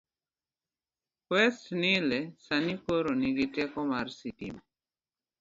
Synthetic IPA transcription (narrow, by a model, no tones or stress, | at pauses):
kwɛstnilɛsanikoɾoniɡitɛkɔmaɾsitḭm